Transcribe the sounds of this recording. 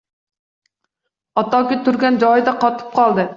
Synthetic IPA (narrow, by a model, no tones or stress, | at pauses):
ɑt̪ɑkʲɪt̪yɾɡʲɛnd͡ʒɑjid̪ɑqʰɑt̪ʰɨ̥p̚qʰɑlˠd̪ɨ